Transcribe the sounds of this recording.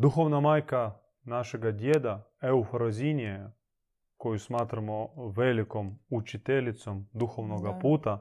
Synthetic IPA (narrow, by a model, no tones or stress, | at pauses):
d̪uxoʋnamajka | naʃɛɡad̪ʲjed̪a | ɛufɾozʲinʲiɛ | kojusmat̪ɾamoʋelikomut͡ʃit̪ɛlʲit̪somd̪uxoʋnoɡapuːt̪a